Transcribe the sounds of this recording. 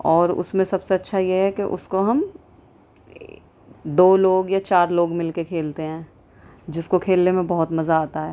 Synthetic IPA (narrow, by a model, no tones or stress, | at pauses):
ɔːɾʊ̰smẽsɐbseɐtːʃʰajeɦɛkeʔʊ̰skoɦɐm | d̪oːloːɡjat͡ʃaːɾloːɡmɪlkekʰeːlt̪eɦɛ̃ː | d͡ʒɪskokʰeːlnemẽbɐɦʊt̪mɐzaːt̪aɦɛː